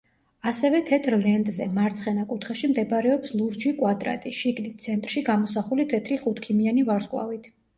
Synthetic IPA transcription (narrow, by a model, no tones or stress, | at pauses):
asɛvɛt̪ʰɛt̪ʰɾlɛnt̪ʼzɛ̰maɾt̪sʰχɛnakʼut̪ʰχaʃimd̪ɛbaɾɛɔpslˠuɾd͡ʒikʼwad̪ʼɾa̰t̪ʼiʃiɡnit̪̚sʰɛnt̪ʼɾʃiɡamɔsaχulit̪ʰɛt̪ʰɾiχut̪ʰkʰimianivaɾskʼlˠa̰vit̪ʰ